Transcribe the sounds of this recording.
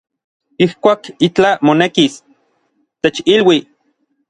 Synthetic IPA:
ihkʷaːkit͡ɬamonekis | t̪et͡ʃilwi

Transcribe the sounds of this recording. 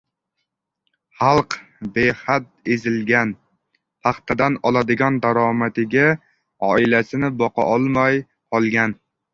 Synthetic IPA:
χɑlˠq | behat̪̚ezɪlɡʲan | p̪ʰɑχt̪ʰad̪anɒlˠad̪ɪɡʲɒnd̪aɾɒmat̪ɪɡʲa | ɒɪlasɪnɪbɒqɑ̰ʔɒlˠmaj | qɒlˠɡʲan

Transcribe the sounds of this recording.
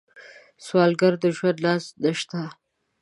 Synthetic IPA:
swɑlɡaɾd̪əʒwand̪lɑsd̪əʃt̪a

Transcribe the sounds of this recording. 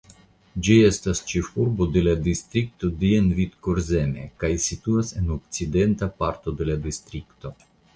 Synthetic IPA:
d͡ʒie̞stast͡ʃe̞fuɾbo̞de̞ladistɾik̚to̞dienvid̪koɾze̞nḛkajsituase̞nokt͡side̞ntapaɾto̞de̞ladist̪ɾikto̞

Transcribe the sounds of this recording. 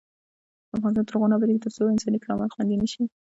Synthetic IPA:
əafɣɑnɪs̬t̪ɑnt̪əɾɣɑnabəɾekt̪əɾsoɪnsɑnikɑlɑmat̪xwand̪inəʃi

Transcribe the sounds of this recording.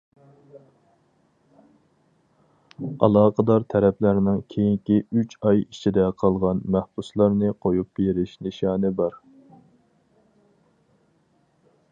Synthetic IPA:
ɑ̰lˠɑːqəd̪ɑɾt̪ʰɛɾɛpʰlæɾnɪŋkʲʰejiŋkʲiyt͡ʃʰɑjit͡ʃʰid̪ɛqʰɑlˠʁɑnmæhbuslˠɑɾnɨqʰojup̚beɾɪʃnɨʃɑːnɨbɑɾ

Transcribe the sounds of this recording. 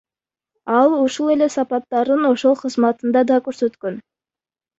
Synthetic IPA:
ɑlˠuʃulˠe̞le̞sɑpɑt̪ːɑɾd̪ɯno̞ʃo̞lˠqʰəzmɑt̪ɯnd̪ɑd̪ɑkø̞ɾsø̞t̪køn

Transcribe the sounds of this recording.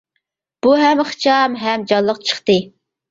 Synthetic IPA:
b̥uɦɛmχɨ̥t͡ʃɑmɦɛmd͡ʒɑnlˠəqt͡ʃʰə̥χt̪ɨ

